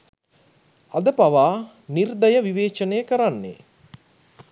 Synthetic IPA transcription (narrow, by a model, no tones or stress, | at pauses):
ad̪əpaʋaː | nird̪əjəʋiʋeːt͡ʃənejəkəɾanːḛ